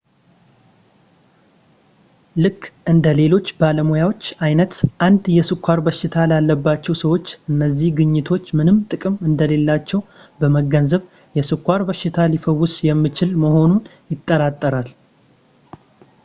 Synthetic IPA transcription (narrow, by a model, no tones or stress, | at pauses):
lɨkʼːʔɨnd̪əle̞lo̞t͡ʃːbaləmojawo̞t͡ʃːajnət̪ʔand̪jɛsɨkʰʷːaɾbəʃɪt̪ʰalalːəbːat͡ʃːɛwsəwo̞t͡ʃːʔɨnːəzːihɡɨɲːɪt̪ʰo̞t͡ʃːmɨnɨmt̪ʼɨkʼɨmɨnd̪əle̞lːat͡ʃːɛw | bəməɡənzəβ | jɛsɨkʰʷːaɾbəʃɪt̪ʰalifəwːʊsjɛmːɨt͡ʃɪlməho̞nunjɪt̪ʼːəɾat̪ʼːəɾal